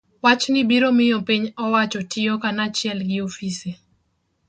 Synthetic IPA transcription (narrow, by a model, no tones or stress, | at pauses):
wat͡ʃnɪbiɾomɪjɔpiɲɔwat͡ʃɔtʰɪɔkanat͡ʃjɛlɡɪofise